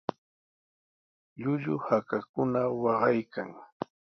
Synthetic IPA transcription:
ʎʊʎʊhakakʊnawɑɢɑjkaŋ

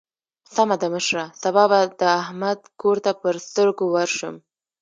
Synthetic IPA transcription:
samad̪aməʃɾasabɑbad̪əahmad̪koɾt̪apəɾst̪əɾɡowaɾʃəm

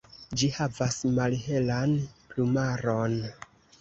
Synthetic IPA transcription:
d͡ʒihavasmalɦe̞lanplumaɾon

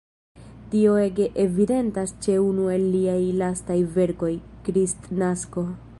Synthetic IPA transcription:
tio̞e̞ɡe̞ʔevide̞ntast͡ʃe̞unue̞lːiajlastajve̞ɾko̞jkɾistnasko̞

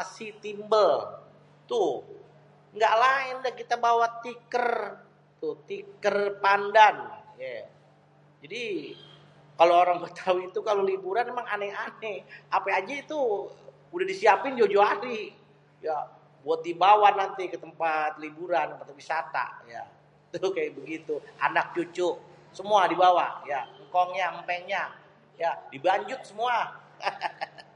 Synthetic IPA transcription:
asit̪imbəl | t̪ʊ | ŋɡaʔlaɪndakit̪abawat̪ːikər | t̪ʊt̪ikərpandanja | d͡ʒadi | kaloːɾaŋbət̪ʰawiːt̪ukalolibuɾanemaŋanɛanɛapaad͡ʒait̪u | udahdisiapɪnd͡ʒod͡ʒoaɾi | ja | buat̪̚dibawanːant̪ikət̪əmpat̪̚libuɾanəmpat̪apisat̪a̰ʔja̰ | it̪ukajaʔ̚bəɡit̪ua̰nak̚t͡ʃut͡ʃʊʔsəmuadibawajaŋkɔŋɲampeɲa | jadibaɲd͡ʒʊt̪̚səmua

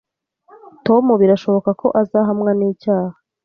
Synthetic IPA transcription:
to̞muβiɾaʃo̞βo̞kakʰo̞ʔazaɦamŋaniːcaːha

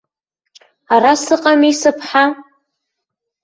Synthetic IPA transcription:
arasɨqʼamisɨpʰħa

